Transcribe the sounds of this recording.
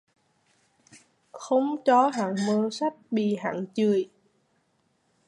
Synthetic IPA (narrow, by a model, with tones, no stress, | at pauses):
xə˧wŋ͡mt͡ɕɔ˨˦ɦa̰ː˧˨ŋməː˧sa˦˥jt̚ɓḭ˧˨ɦa̰ː˧˨ŋt͡ɕɨ˨˩əj